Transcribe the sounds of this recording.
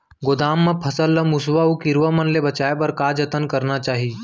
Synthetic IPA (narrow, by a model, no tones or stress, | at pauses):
ɡoːd̪aːmːɐ̃pʰɐsəlːəmʊswaukɪɾʋəmɐnlebɐt͡ʃaːepɐɾkaːd͡ʒɐt̪ənkɐɾnat͡ʃaːɦi